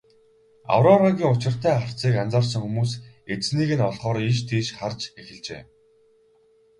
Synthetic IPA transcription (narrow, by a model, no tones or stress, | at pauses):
a̰wɾɔɾaɣʲiːŋʊt͡ɕɪ̆r̥t̪ʰæːχə̥̆t͡siːkant͡saːrs̬ə̆ŋxumuːs | et͡sniːɣɘ̆nɔɮχɔːɾiʃ̬t̪ʰiːʃχart͡ɕexɪ̆ɮt͡ɕḛː